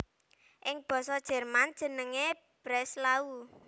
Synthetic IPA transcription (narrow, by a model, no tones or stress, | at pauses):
ʔɪŋb̥ɔ̤sɔd̥ʒ̥ɛ̤rmand̥ʒ̥ə̤nəŋe | b̥ɾɛslau